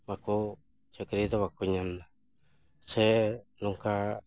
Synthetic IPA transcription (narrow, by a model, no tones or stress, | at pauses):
βaku | t͡ʃekeɾiðoβakuɲãnd̪a | t͡ʃenũŋka